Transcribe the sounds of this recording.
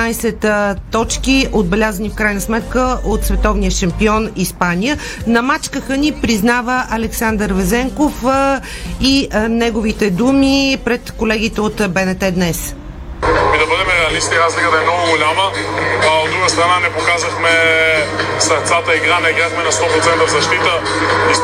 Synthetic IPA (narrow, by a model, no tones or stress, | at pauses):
ajsɛt̪t̪ːɔt͡ʃkiʔod̪bɛlʲazənifkɾajnəsmɛt̪kəʔot̪svɛt̪ɔvnijəʃɐmpiɔnispanʲijə | nɐmat͡ʃkəxənipɾiznavəʔɐlɛksand̪əɾvɛzɛŋkof | inɛɡovit̪ɛd̪umipɾɛt̪kolɛɡ̟it̪ɛot̪bɛnɛt̪ɛd̪nɛs | mid̪ɐbɤd̪ɛmɛɾɛɐlist̪iɾazlikəd̪ɐɛmnɔɡʊɡolʲamə | od̪ɾuɡəst̪ɾɐnanɛpokazɐxmɛ | sɐɾt̪sat̪əiɡɾanɛiɡɾaxmɛnɐst̪ɔpɾot̪sɛnt̪əvzɐʃt̪it̪ə | i